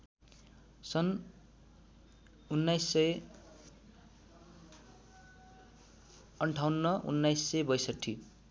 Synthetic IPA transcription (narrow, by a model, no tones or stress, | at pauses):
sʌn | unːajsːʌj | ʌɳʈʰawnːʌʔṵnːajsːʌjbʌjsʌʈʰːi